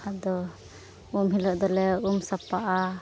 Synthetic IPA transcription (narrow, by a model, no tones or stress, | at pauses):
ad̪ɔ | umɦilɔʔd̪ɔlɛumsapaʔa